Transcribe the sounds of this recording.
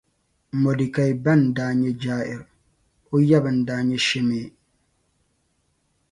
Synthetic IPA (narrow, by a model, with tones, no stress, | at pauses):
mɔ˨di˨ka˨jba˦˨ndaː˨ɲɛ˦d͡ʒaː˦ʔɪ˨ɾ | o˦ja˦bɨ˨n˨daː˨ɲɛ˦ʃɛ˦meː˨